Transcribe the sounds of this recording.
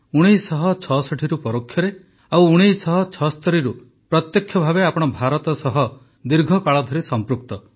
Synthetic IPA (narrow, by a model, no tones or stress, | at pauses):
uɽ̃ejsɔɦɔt͡ʃʰɔsɔʈʰiɾupɔɾokʰːjɔɾe | awuɽ̃ijsɔɦɔt͡ʃʰɔst̪ɔɾiɾu | pɾɔt̪jɔkʰjɔbʱabeapɔɽ̃ɔbʱaɾɔt̪ɔsɔɦɔ | d̪iɾɡʱɔkaɭɔd̪ʱɔɾisɔmpɾukt̪ɔ